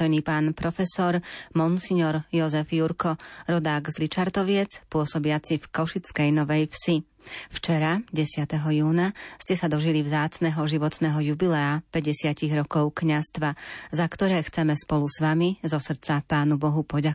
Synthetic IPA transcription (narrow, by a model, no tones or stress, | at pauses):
ɔjniːpaːnpɾɔfɛsɔɾmɔnsiɲɔɾjɔzɛfjuɾkɔɾɔd̪aːɡzlit͡ʃaɾt̪ɔʋɪɛt͡spʊɔsɔbɪat͡sifkɔʃit͡skɛjnɔʋɛjfsi | ft͡ʃɛɾaɟɛsɪat̪ɛɦɔjuːnascɛsad̪ɔʒilivzaːt͡snɛɦɔʒiʋɔt̪nɛːɦɔjubilɛapɛɟɛsɪaciɣɾɔkɔʊkɲast̪ʋazakt̪ɔɾɛːxt͡sɛmɛspɔlusʋamizɔsr̩t͡sapaːnubɔɦupɔɟa